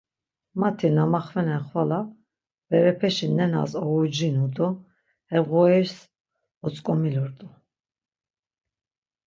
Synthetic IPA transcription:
mat̪ʰinamaχvɛnɛχvala | vɛɾɛpʰɛʃinɛna̰zɔud͡ʒinud̪ʼɔ | ɛvʁɔɛɾs | ɔt͡sʼkʼɔmilɔɾt̪ʼu

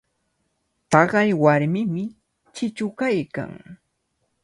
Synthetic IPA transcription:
t̪ɑɢɑjwaɾmɪmɪ | t͡ʃɪt͡ʃʊkajka̰ŋ

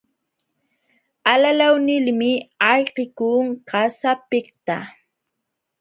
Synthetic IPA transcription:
alalawnɪlmɪɑʎqɪkuːŋkasapɪkt̪a̰

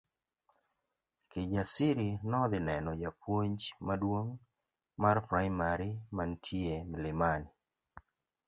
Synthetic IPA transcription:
ked͡ʒasɪɾinɔd̪ɪnɛnɔjapwoɲd͡ʒmadwoŋ | marpɾaɪmaɾimantʰjemlɪmani

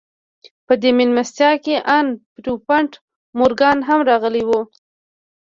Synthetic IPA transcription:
pəd̪emɪnmast̪jɑkeʔanpɾupaɳʈ | moɾɡɑnɦamɾɑɣəlewu

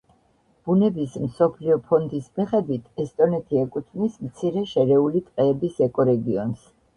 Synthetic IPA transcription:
b̥unɛbismsɔpʰliɔpʰɔnd̪ismiχɛd̪wit̪ʰɛst̪ʼɔnɛt̪ʰiɛkʼut̪ʰvnismt̪sʰiɾɛʃɛɾɛulip̪ʼqʼɛːbisɛkʼɔɾɛɡiɔns

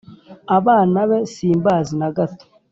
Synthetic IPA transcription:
aβaːnaβe̞siːmbaːzinaɡato̥

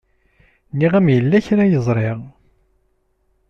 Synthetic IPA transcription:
niʁæmjəlːæçɾæjəzˤɾˤɪʁ

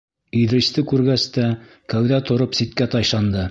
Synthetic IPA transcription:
iðɾɘ̆st̪ɘkʉɾɡæst̪æ | kæwðæt̪ŏɾɤpsit̪̚kæt̪ɑjʃɑnd̪ɤ

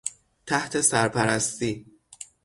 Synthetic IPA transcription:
t̪ʰæht̪ʰe̞sæɾpʰæɾæst̪iː

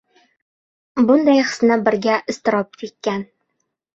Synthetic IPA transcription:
bʊnd̪ajχɨ̥snɪbɪɾɡʲaʔɪst̪ɪɾɒp̚kʰʲek̪̚ʲkʲːan

